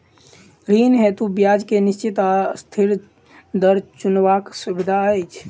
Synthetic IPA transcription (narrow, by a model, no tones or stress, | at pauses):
ɾinɦet̪ubjad͡ʒkenist͡ʃit̪ast̪ʰiɾ | d̪əɾt͡ʃunʋaksubid̪ʱaəjt͡ʃʰ